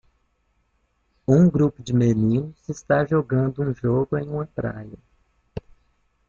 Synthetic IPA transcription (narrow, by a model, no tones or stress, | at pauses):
ũɡɾupʊd͡ʒɪmenĩnʊzɪst̪aʒoɡɐ̃nd̪ʊũʒoɡʊẽj̃ũmɐpɾa̰jɐ